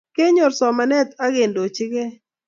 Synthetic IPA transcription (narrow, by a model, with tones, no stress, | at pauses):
ke˦ɲɔ˨ɾsɔ˨ma˨nɛ˦t̪a˦ɡe˨ndo˨t͡ʃɪ˦ɡɛ˦